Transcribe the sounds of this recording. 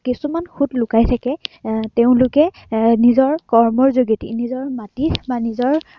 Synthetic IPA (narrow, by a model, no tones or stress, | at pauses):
kisumanxutlʊkajtʰakɛteʊ̃lʊkɛ | nizɔɹkɔɹmɔɹzoɡitḭnizɔɹmatibanizɔɹ